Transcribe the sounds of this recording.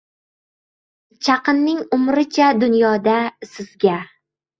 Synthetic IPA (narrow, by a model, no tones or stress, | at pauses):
t͡ʃʰɑqɨnːɪŋʊmɾɪt͡ʃʰad̪ʊnjɒd̪asɪzɡʲa